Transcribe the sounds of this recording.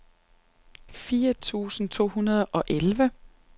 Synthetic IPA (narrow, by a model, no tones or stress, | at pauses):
fiːɐt͡sʰṵːsn̩t͡sʰo̝̰ːɦunɐð̞ˠʔɒ̽ʔelʋə